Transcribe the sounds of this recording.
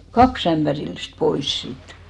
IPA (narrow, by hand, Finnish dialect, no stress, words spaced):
kɑks æmpærilːist pois siːt